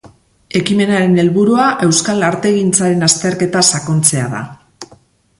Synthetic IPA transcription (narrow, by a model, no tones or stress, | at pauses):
e̞kime̞naɾe̞ne̞lβuɾuaʔe̞wskalaɾt̪e̞ɣint͡saɾe̞nast̪e̞ɾke̞t̪asako̞nt͡se̞aða̰